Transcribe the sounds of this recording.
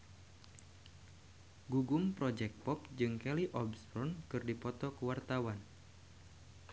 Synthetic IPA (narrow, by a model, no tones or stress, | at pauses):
ɡuɡʊmpɾɔd͡ʒɛk̪̚pɔpd͡ʒɨŋkɛliʔɔbstɾɔnkɨrdipɔt̪ɔkəwart̪awan